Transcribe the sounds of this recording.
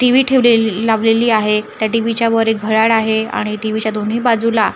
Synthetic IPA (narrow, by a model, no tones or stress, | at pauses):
ʈiʋiːʈʰeʋlelaʋleliːaɦet̪jaʈiʋit͡ɕjaʋəɾeɡʱəɭaɽaɦea̰ɽ̃iʈiʋit͡ɕjad̪ʱon̤iːbad͡zula